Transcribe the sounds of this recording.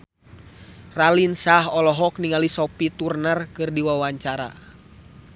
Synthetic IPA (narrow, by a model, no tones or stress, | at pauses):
ralinsaɦɔlɔɦɔk̚niŋalisɔpit̪urnərkɨrdiwawaɲt͡ʃaɾa̰